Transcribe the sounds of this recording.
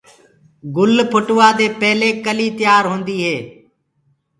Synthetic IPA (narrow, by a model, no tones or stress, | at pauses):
ɡʊlpʰʊʈʊʋaːd̪eːpɛːleːkəliːt̪ɪjaːɾɦõːnd̪iːɦeː